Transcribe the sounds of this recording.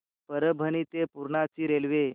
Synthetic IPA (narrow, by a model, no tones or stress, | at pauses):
pəɾəbʱənit̪epuɾɳat͡ɕiːɾelʋe